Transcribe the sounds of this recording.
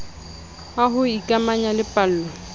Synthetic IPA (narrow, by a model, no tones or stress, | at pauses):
aɦʊikʼamaɲalɪpʼal̩ːlɔ